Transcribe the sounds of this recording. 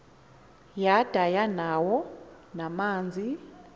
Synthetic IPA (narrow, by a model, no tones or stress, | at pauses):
jad̥ʱajanawɔ | namaːnd͡zʱi